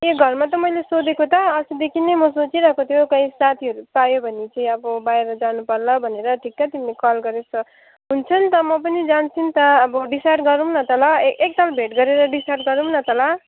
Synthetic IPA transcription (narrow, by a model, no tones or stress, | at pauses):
eɡʱʌrmat̪ʌmʌjlesod̪ekot̪ʌːsud̪ekʰinejmʌsot͡siɾʌkot̪ʰjokʌĩsat̪ʰiɦʌɾupajobʱʌnit͡sʌĩʌbʌbaeɾʌd͡zanupʌrlʌbʱʌneɾʌʈʰikːat̪imilekʌlɡʌɾesʌ | ɦunt͡sʰʌnt̪ʌmʌp̬ʌnid͡zant͡sʰint̪ʌːbʌɖisarʈɡʌɾumnʌt̪ʌlʌektalbʱeʈɡʌɾeɾʌɖisarʈ̚ɡʌɾunʌt̪ʌlʌ